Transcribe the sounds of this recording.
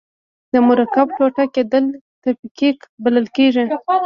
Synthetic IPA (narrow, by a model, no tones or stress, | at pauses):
d̪əmʊɾakapʈoʈaked̪əl | t̪əpikikbaləlkeʐi